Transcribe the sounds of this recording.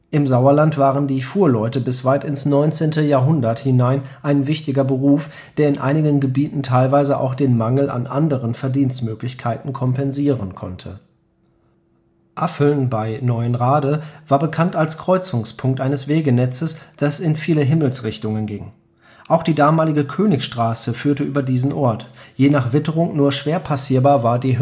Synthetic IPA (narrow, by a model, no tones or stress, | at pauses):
ʔɪmzaʊɐlantv̥aːʁəndiːfuːɐlɔʏtəbɪsv̥aɪtɪnsnɔʏnt͡seːntəjaːɐɦʊndɐthɪnaɪnʔaɪnvɪçtɪɡɐbəʁuːf | d̥eːɐɪnʔa̰ɪnɪɡənɡəbiːtn̩tʰaɪlvaɪzəʔa̰ʊxd̥eːnmaŋl̩a̰nʔandəʁənfɛɐdiːnstmøːklɪçkʰaɪtn̩kʰɔmpɛnziːʁənkʰɔ̰ntʰə̰ | ʔafl̩nbaɪnɔʏənʁaːdəvaːɐbəkʰantalskʁ̥ɔʏt͡sʊŋspʰʊŋktʔaɪnəsv̥eːɡənɛt͡səsd̥asɪnfiːləɦɪml̩sʁɪçtʊŋənɡɪŋ | ʔaʊxd̥iːdaːmaːlɪɡəkʰøːnɪçʃtʁ̥aːsəfyːɐtəʔyːbɐdiːzn̩ʔɔɐtjeːnaːχv̥ɪtəʁʊŋnuːɐʃv̥eːɐpʰasiːɐbaːɐvaːɐdiː